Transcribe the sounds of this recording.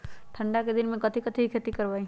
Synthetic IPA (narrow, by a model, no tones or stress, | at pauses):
ʈʰəɳɖaked̪inmẽkət̪ʰikət̪ʰiɦikʰet̪ikəɾbaĩ